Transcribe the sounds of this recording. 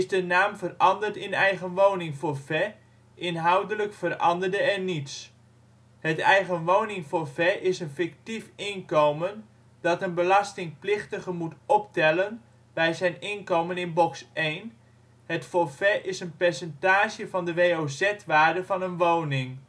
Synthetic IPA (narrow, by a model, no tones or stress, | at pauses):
ɪzdənaːmvərɑndərtɪnɛjχənʋownɪŋfoɹfɛ | ʔɪnɦɑwdələkfərɑ̰ndərdəɛrnits | hətɛjχənʋownɪŋfoɹfɛʔɪsənfɪktifɪnkowmən | dɑtənbəlɑstɪŋplɪχtəχəmutɔptɛlən | bɛjzɛjnɪnkowmənɪnbɔksʔejn | ɦətfofɛʔɪsənpɛɹsəntaːʒəvɑndəʋejowzɛtʋaːɹdəvɑnənʋownɪŋ